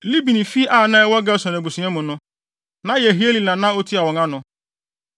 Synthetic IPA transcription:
li˦bi˨nĩ˨fi˦ʔa˦˨nã˦wɔ˦ɡa˦˨sɔ̃˨n˨a˨ɡ͡bu˨sĩ˨ɛ̃˦mʊ̃˨nʊ̃˦ | nã˨˦je˨ɦi˦e˦li˨nã˨nã˦o˦tʰi˦a˨wɔ̃˨ŋã˦nʊ̃˨

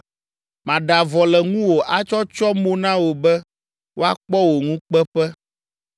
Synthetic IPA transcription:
mã˨ɖa˨vɔ˨lɛ˨ŋũ˦wo˨ʔa˦t͡ʃɔ˦t͡ʃɔ˦mo˦nã˦wo˨bɛ˦ | wʔo˦a˦k͡pɔ˦wo˨ŋũ˦k͡pɛ˦ɸɛ˦

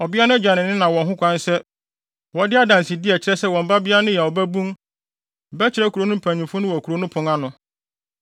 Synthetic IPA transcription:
ɔ˨bɪ˦a˦nʊ̃˦ɛ˦d͡ʑa˨nɪ̃˨nɪ̃˦nã˨wɔ̃˨ŋɦʊ̃˦kʷʰã˦n˦sɛ˦ | wɔ˨dɪ˦a˦dã˨nsɪ˨di˦ɛ˨t͡ɕɪ˦ɾɛ˦sɛ˦wɔ̃˨m̩˨˦ba˦bɪ˦a˦nʊ̃˦jɛ˨ɔ˨bæ˦bũ˦m | bɛ˦t͡ɕʰɪ˨ɾɛ˦kʰu˨ɾo˦nʊ̃˦m̩˨pʰæ̃˨ɲĩ˨fʊ˦nʊ̃˦wɔ˨ku˨ɾo˨˦nʊ̃˦pʰʊ̃˨ŋa˦nʊ̃˨

